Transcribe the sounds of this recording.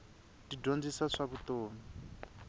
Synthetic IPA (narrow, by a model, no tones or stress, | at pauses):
didond͡zisaʂaβut̪oːmi